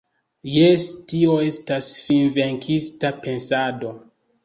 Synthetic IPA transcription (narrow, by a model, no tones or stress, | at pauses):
jestioe̞stasfinve̞ŋkʰistape̞nsado̞